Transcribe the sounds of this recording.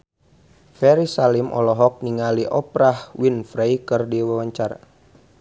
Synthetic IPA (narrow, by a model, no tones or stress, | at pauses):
fɛɾisalimʔɔ̰lɔɦɔk̚niŋaliʔɔpɾahwinfɾaikɨrdiwawaɲt͡ʃar